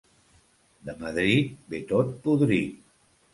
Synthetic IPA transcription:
d̪əməðɾit̪̚bet̪ot̪̚puðɾi

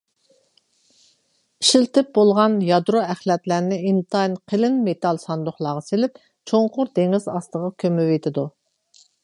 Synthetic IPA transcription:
iʃilt̪ɪp̚bolˠʁɑnjɑd̪ɾoæχlɛt̪læɾnɪint̪ʰɑjnqʰəlɪnmet̪ɑlˠsɑnd̪ʊχlˠɑːʁɑselɪp | t͡ʃʰoɴqʊɾd̪eŋizɑst̪əʁɑkʲʰømɪvet̪ʰɪd̪u

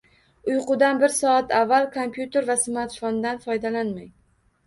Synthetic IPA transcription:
ʊjqʊd̪anbɪɾsɒat̪ʰavːalkʰompjut̪ʰe̞ɾvasɪmat̪fond̪anfɒjd̪alanmaj

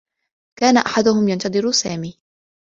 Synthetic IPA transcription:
kaːnaʔaħad̪ʊhʊmjant̪ɑd̪ˤɨɾusaːmiː

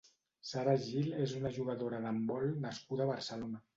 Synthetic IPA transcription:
saɾaʒilezunəʒuɣəðoɾəðəmbɔlˠnəskuðəːβəɾsəlona

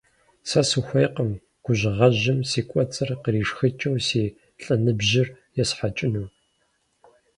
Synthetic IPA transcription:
sɐsɨxʷejqəm | ɡ̥ʷʊʑɪʁɐʑɪmsiːkʷʼɔt͡sʼɨrqəɾiːʂxɨt͡ʃʼɐwsiː | ɬʼɐnɨbʑɪr | jɛsħat͡ʃʼɪnuw

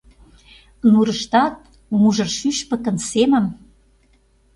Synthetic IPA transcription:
nuɾə̆ʃt̪ɑt̪̚ | muʒɤ̆rʃyʃpə̆kə̆nsemə̆m

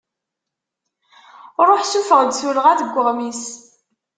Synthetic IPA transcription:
ɾˤoħsufəʁd̪suɾəʁæðəɡʷːəʁmis

